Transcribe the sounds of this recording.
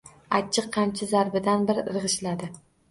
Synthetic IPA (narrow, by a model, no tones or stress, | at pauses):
at͡ʃʰːɨqʰːɑnt͡ʃʰazaɾbɪd̪anbɪɾɾɨʁɨʃlad̪ɪ